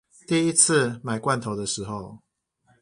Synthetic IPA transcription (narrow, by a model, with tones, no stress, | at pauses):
t̪i˥˧i˦t͡s̩ʰ˥˨ma˨˩ɪkwa˥˨nt̪ʰo˨˦ʊd̪ə˨ʂɻ̩˨˧˦xo˥˨ʊ